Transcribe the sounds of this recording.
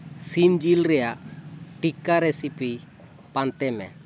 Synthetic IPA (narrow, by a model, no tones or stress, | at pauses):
simd͡ʒilɾɛjaʔʈikaɾɛsipi | pant̪ɛmɛ̰